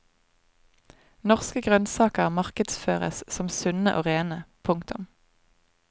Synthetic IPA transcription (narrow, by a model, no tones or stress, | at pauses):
nɔʁskəɡʁœnsɑːkəʁmɑʁkəd̪sføːʁə̰ssɔmsʉnəʔoːʁeːnəpʰʊŋkt̪ʊm